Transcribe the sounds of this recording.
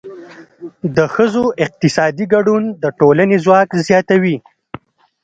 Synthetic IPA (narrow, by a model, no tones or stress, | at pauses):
d̪əxəzoʔɪq̚t̪ɪsɑd̪iɡaɖund̪əʈolanezwɑkzjɑt̪awi